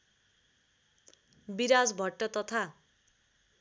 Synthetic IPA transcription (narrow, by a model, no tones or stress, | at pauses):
biɾad͡zbʱʌʈːʌt̪ʌt̪ʰa